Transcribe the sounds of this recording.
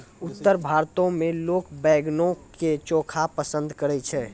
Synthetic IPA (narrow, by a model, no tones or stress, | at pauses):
ʊt̪ːəɾbʱaɾt̪õmẽloːkbɛːɡnõk | et͡ʃoːkʰapəsə̃nd̪ʱkəɾɛt͡ʃʰɛ